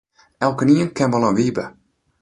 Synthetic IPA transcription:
ɛlˠkəniənkɛnʋɔlˠənʋibə

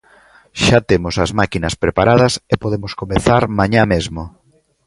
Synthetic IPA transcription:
ʃat̪emosɐzmakinɐspɾepaɾað̞ɐsepoðemoskomeθaɾmaɲamezmo

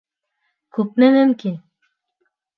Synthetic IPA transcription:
kʰup̚nenenki

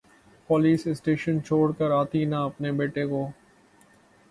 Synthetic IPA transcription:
pɔːliːsɪsʈeːʃənt͡ʃʰoːɽkəɾaːt̪inaɐpnebeːʈekoː

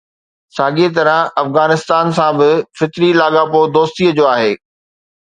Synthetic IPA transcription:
saːɡet̪ɐɾəɦɐfɣaːnɪst̪aːnsãbɪfɪt̪ɾilaːɠapod̪oːst̪iːəd͡ʑoːaːɦeː

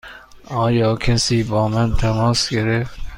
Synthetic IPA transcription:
ʔɒːjɒːkʰæsiːbɒːmænt̪ʰæmɒːsɡeɾeft̪

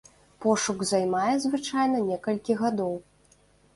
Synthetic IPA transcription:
pɔʂuɡzajmajɛzvɨt͡ʂajn̪ɐnʲɛkɐlʲkʲiɣad̪ɔw

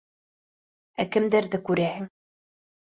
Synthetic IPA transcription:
ækɘ̆md̪æɾðɘkʉɾæhɘ̆ŋ

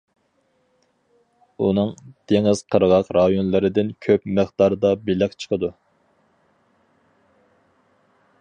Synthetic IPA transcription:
unɨŋd̪̥eŋɪz̥qʰəɾəʁɑqɾɑjonlˠɨɾɨd̪ɪnkʲʰøpmɨχd̪ɑɾd̪ɑbilɪkʲt͡ʃʰə̥qʰəd̪u

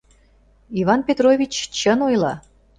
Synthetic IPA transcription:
ivɑnpʲet̪rovʲit͡ɕt͡ɕənojlɑ̰

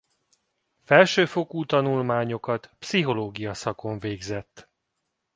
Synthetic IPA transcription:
fɛlʃøːfo̞kuːt̪ɒnulmaːɲo̞kɒt̪psiɦo̞loːɡijɒsɒko̞ɱveːɡzɛt̪ː

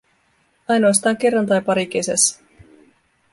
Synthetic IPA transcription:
ɑjno̞ɑst̪ɑːŋke̞rːɑnt̪ɑjpɑɾik̟e̞sæ̰sː

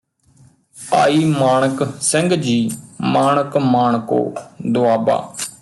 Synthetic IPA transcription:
a̰ːiːmaːɳ̃əksəŋɡd͡ʒiːmaːɳəkmaːɳko̰ːd̪ʊaːba̰ː

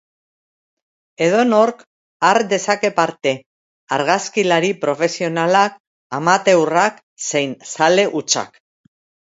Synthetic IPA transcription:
e̞ð̞o̞no̞ɾk | aɾd̪e̞sake̞paɾt̪e̞ | aɾɣaskilaɾipɾo̞fe̞sio̞nalak | amat̪e̞wrak | se̞jnsale̞ʔut͡ʃa̰k

